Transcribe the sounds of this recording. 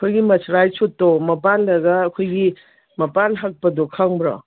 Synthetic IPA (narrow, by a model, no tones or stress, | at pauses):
kʰojɡimɐsʰɾajsotːɔmɐpanlɐɡɐːkʰojɡi | mɐpanɦak̚pɐdɔkʰaŋbɾɔ̰